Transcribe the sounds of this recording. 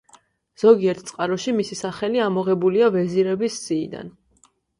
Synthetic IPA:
z̥ɔɡiɛɾt̪ʰt̪sʼqʼaɾɔʃimisisaχɛliamɔʁɛbuliavɛziɾɛbisz̥iːd̪a̰n

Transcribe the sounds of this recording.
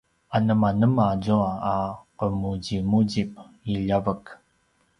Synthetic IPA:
anəmanəmazuaːqəmuɟimuɟip̚iʎəvək

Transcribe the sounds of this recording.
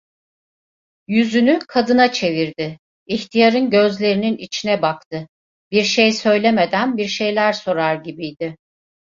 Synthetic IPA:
jyzynykʰad̪ɯnat͡ʃʰe̞viɾd̪ɪ | içt̪ʰijaɾɯnɟø̞zlʲe̞ɾininit͡ʃʰinɛbakt̪ʰɯ | biɾʃejsø̞jlʲeme̞d̪ænbiɾʃe̞jlʲæɾso̞ɾaɾɟibijd̪ɪ

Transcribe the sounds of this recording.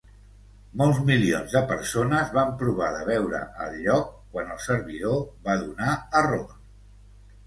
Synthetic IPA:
mɔlˠzmilionzðəpəɾsonəzβampɾuβ̞aðəβɛwɾə̰ʔəlʎɔkːwanəlˠsəɾβiðoβaðunaəro

